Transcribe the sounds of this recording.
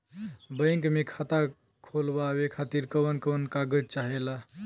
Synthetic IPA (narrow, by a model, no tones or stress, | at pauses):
bəjŋkmekʰat̪a | kʰolbawekʰat̪iɾkəwənkəwənkaɡət͡ʃaɦela